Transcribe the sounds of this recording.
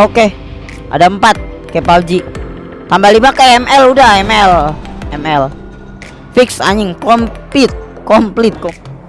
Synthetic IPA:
oke | ʔa̰daəmpat̪̚kepawd͡ʒi | t̪ambalibakaɛmɛludahɛmɛlɛmɛl | fiksa̰ɲɪŋkɔmpɪt̪̚ | kɔmplɪt̪̚kʊ

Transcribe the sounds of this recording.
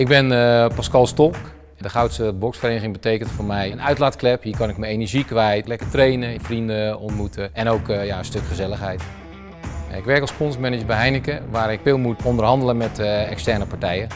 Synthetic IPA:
ɪɡ̚bɪnpaskɑlˠstɔlˠk | dəχawtsəbɔksfərejnəɣɪŋbətejkəntfoːɹmɛjənœɥtlaːtklɛphiːɹkɑnɪkməejnəɹʒikʋɛjtlɛkərtrejnəfrindəɔntmutʰəɛnowkjaənstøkχəzɛləxɦɛjt | a̰ɪkʋɛɹkɔlˠspɔnsmɛnəd͡ʒəbɛɦɛjnəkəʋaːɾɪkfɪːlˠmutɔndərɦɑndələmɛtɛkstɛrnəpaɹtɛjə

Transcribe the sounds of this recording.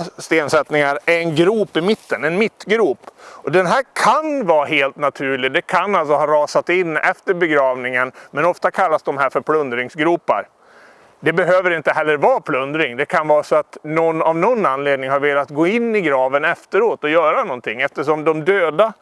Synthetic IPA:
st̪eːnsɛt̪nɪŋaɾæɛnɡɾuːpɪmɪt̪ːənɛnmɪt̪ːɡɾuːpɔd̪ɛnɦæːɾkʰanvɑːɦeːlt̪nat̪ʰʉ̟ːɭɪd̪ɛkʰanːals̬ɔɦɑːɾɑːsat̪ɪnːɛ̰ft̪əɾbɛɡɾɑːvnɪŋənmɛnɔft̪akʰalːasd̪ɔmɦæːɾfœɾpʰlɵnd̪ɾɪŋsɡɾuːpa̰ɾ | d̪ɛbɛɦøːvəɾɪnt̪əɦɛlːəɾvɑːpʰlɵnd̪ɾɪŋd̪ɛkʰanvɑːɾasɔat̪nɔnːavnɔnːanleːd̪nɪŋhaɾveːlat̪ɡoːɪnːɪɡɾɑːvənɛft̪əɾoːt̪ɔjœːɾanɔnt̪ʰɪŋːɛft̪əʂɔmd̪ɔmd̪øːd̪a

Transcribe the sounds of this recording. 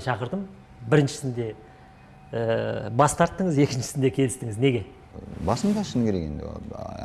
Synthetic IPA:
ʃɑqəɾd̪əm | bɪɾɪnʃɪ̥sɪnd̪e̞ | bɑst̪ɑɾt̪ːəɴəze̞kʲɪnʃɪ̥sɪnd̪e̞kʲʰe̞lɪst̪ɪŋɪzne̞ɡʲe̞ | bɑsəmt̪ɑʃənkʲeekend̪ḛ

